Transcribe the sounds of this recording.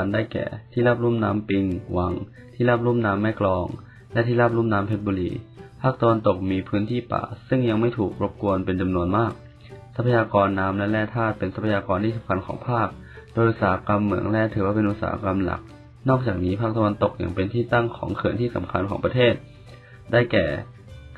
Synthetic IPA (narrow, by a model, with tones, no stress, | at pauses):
a˧ndaː˥˩jkɛ̰ː˨˩t̪ʰiː˥˩a˦˥˩p̚ɾuː˥˩mnaː˦˥mpi˧ŋwa˧˥ŋ | t̪ʰiː˥˩la˦˥˩p̚ɾu˥˩mnaː˦˥mːɛː˥˩klɔː˧ŋ | lɛ˦˥ʔt̪ʰiː˥˩la˦˥˩p̚ɾu˥˩mnaː˦˥mpʰe˦˥t̪̚buː˧lḭː˧pʰaː˥˩k̚t̪a˧wa˧nt̪o˨˩k̚miː˧pʰɯː˦˥nt̪ʰiː˥˩pa̰ː˨˩sɯ˥˩ŋja˧ŋma˥˩jt̪ʰuː˨˩k̚po˦˥p̚ku˧ənpe˧nt͡ɕa˧mnu˧ənmaː˥˩k̚ | sa˦˥pʰːa˧jaː˧kɔː˧nːaː˧˥mlɛ˦˥lɛː˥˩t̪ʰaː˥˩t̪̚pe˧nsa˦˥pʰːa˧jaː˧kɔː˧nt̪ʰiː˥˩a˨˦ŋkʰa˧nkʰɔ̰ː˩˦ŋpʰaː˥˩k̚ | doː˧jʔu˧t̪̚saː˩˦a˧ka˧mːɯ˨˩˦əŋlɛː˥˩t̪ʰɯː˩˦waː˥˩e˧nʔu˧˩t̪̚sa̰ː˨˦a̰˧ka˧mla̰˨˩k̚ | nɔː˥˩k̚t͡ɕaː˨˩k̚niː˦˥pʰaː˥˩t̪a˧wa˧nt̪o˨˩k̚ja̰˨˩ŋpe˧nt̪ʰiː˥˩t̪a˥˩ŋkʰɔ̰ː˩˦ŋkʰɯ˨˩ənt̪iː˥˩sa̰˨˩˦mkʰa˧nkʰɔ̰ː˩˦ŋpɾa˧t̪ʰeː˥˩t̪̚ | daː˥˩jkɛ̰ː˨˩